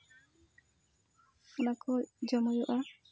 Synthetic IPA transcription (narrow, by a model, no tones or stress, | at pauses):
ɔnakɔd͡ʒɔmɔjɔʔa